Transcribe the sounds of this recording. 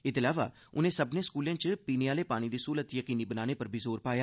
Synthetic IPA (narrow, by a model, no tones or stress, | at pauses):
ɪt̪ɪlaːʋa̰ː | ʊnẽːsəbnẽːskuːlẽːt͡ʃpiːneaːleːpaːɽ̃iːd̪iːsuːlət̪jəkiːniːbənaːñeːpəɾbʱiːzoːɾpaːjaː